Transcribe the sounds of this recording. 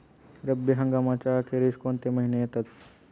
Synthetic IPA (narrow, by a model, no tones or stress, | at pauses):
ɾəbiɦɐŋɡamat͡ʃakeɾiskont̪emɐɦinejet̪ət̪